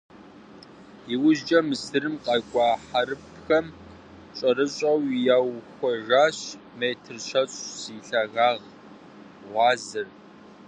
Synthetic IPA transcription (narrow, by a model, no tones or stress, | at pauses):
iwʊʑd͡ʒʼɐmɨsɨɾɨmqʼɑkʷʼɑːħaɾɨp | xɐm | ɕʼɐɾɨɕʼɐwjaːwxʷɔʒaːɕ | meːtʰɨrʃʰɐɕʼsiɬɐɣaːʁ | ʁʷɑːzɨr